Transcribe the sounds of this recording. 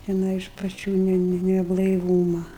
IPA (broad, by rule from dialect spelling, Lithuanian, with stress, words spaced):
tʲɛˈnɐɪ ɪʃ pɐˈt͡ʃʲuː ˈnʲɛ ˈnʲɛ nʲɛblˠɐɪˈʋuːmɐ